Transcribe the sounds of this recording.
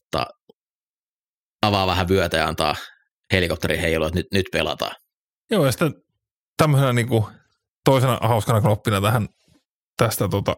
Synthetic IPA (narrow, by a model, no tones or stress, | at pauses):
ot̪ːɑ̰ː | ɑʋɑːʋæhæʋyøt̪æjɑɑ̰nt̪ɑ̰ː | helikop̚t̪eriheˑijlujot̪nyt̪nyt̪pelɑ̰t̪ɑ̰ː | joːjɑsi̥t̪ːˑæ | t̪æmːøsenɑniːŋku | t̪oˑisenɑ̰hɑˑuskɑnɑknopːinɑt̪æhæn | t̪æst̪æt̪ot̪ɑ̰